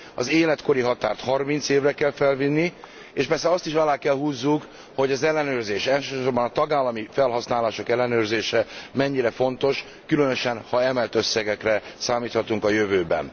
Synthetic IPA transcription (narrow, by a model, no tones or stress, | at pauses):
ɒ̰zeːlɛt̪ko̞ɾiɦɒt̪aːrt̪hɒrmint̪seːvrɛkɛlfɛlvinːi | eːʃpɛrsɛɒst̪iʃɒlaːkɛlhuːzːuk | ho̞ɟɒzɛlːɛnøːrzeːʃɛlʃøːʃo̞rbɒnɒt̪ɒɡaːlːɒmifɛlɦɒsnaːlaːʃo̞kɛlːɛnøːrzeːʃɛmɛɲːiɾɛfo̞nt̪o̞ʃ | kylønø̞ʃɛnhɒɛmɛlt̪ø̞sːɛɡɛkrɛsaːmiːt̪hɒt̪uŋkɒjøvøːbɛ̰n